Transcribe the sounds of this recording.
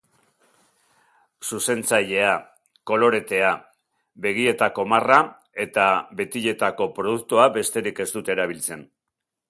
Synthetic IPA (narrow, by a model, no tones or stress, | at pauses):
suse̞nt͡saʎe̞a | ko̞lo̞ɾe̞t̪e̞a | βe̞ɣ̞ie̞t̪ako̞mara | e̞t̪aβe̞t̪iʎe̞t̪ako̞pɾoð̞uk̚t̪uabe̞st̪e̞ɾike̞st̪ut̪eɾaβ̞ilt͡se̞n